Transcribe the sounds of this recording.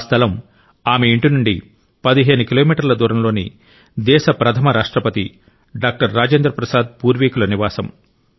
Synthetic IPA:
st̪ʰɐlɐm | aːmeiɳʈinuɳɖḭ | pɐd̪iɦeːnukilo̞ːmiːʈɐɾlɐd̪uːɾɐmlo̞ːnḭ | d̪ɛːʃɐpɾɐt̪ʰɐmɐɾaːʂʈɾɐpɐt̪i | ɖaːk̚ʈɐɾːaːd͡ʒeːnd̪ɾɐpɾɐsaːd̪̚puːɾʋiːkulɐniʋaːsɐm

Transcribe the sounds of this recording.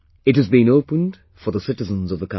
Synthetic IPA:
ɨt̚ɨzbĩŋoʊpə̃n | fə˞ðəsɪɾɨzə̃nzʌvðəkʰã

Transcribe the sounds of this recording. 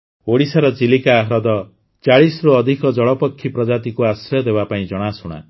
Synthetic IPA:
oɽisaɾɔt͡ʃilikaːɦɾɔd̪ɔ | t͡ʃaɭisɔɾuɔd̪ʱikɔd͡ʒɔɭɔpɔkʰːipɾɔd͡ʒat̪ikuasɾɔɔd̪ebapaĩd͡ʒɔɽ̃asuɽ̃a̰

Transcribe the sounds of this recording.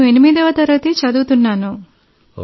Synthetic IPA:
uenimid̪ɐʋɐt̪ɐɾɐt̪it͡ʃɐd̪uːt̪unːaːnu

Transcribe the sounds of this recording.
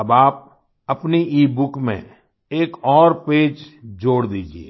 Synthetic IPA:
ɐbaːp̚ | ɐpniʔiːbʊkmḛ̃ | eːkɔːɾpeːd͡ʒd͡ʒoːɽd̪iːd͡ʒiḛː

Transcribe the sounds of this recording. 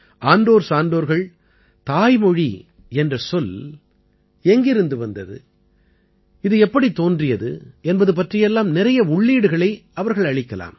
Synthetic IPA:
ʔaːnɖoːɾsaːnɖoːɾɣɐɭ | t̪aːjmɔɻi | ɛndrɐsɔl | ɛŋɡɪɾɯnd̪ɯʋɐnd̪ɐðɯ̰ | ɪðɯɛpːɐɽit̪ːoːndrɪjɐðɯ̰ɛnbɐðɯp̬ɐʈrɪjɛlːaːmnɪɾɐjɐʊɭːiːɽɯɣɐɭɐɪɐʋɐɾɣɐɭɐɭɪkːɐla̰ːm

